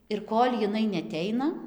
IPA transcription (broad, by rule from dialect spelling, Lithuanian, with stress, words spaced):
ɪr ˈkoːlʲ jɪˈnɐɪ nʲɛɐˈtʲɛɪnɐ